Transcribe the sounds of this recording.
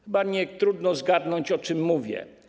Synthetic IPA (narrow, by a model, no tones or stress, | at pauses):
xɘbaɲɛt̪ɾud̪nɔzɡad̪nɔɲt͡ɕɔt͡ʂɘmːuvʲjɛ̰